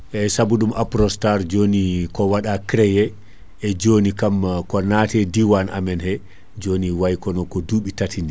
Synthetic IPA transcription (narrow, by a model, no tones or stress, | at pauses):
ʔɛsabuɗumʔapɾɔstaɾd͡ʒonikɔwaɗakɾɛjɛ | ɛd͡ʒonikamkɔnatɛdiwana̰mɛnhɛ | d͡ʒoːniwajkɔnɔkɔduɓitatindi